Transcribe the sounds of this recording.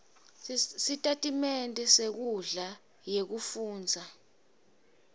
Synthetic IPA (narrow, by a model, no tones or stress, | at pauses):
sitʼatʼimɛntʼɛsek̬uɮa | jek̬ufuːnd͡zʱa